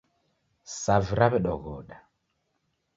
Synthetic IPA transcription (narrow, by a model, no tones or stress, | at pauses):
saviɾaβɛɗɔɣɔɗa